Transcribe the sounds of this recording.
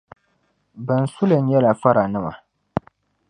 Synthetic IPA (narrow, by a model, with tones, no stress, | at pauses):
bɨ˨n̩˨su˦lɨ˨n˦jɛ˦la˨fa˦ɾa˨nɨ˦ma̰˨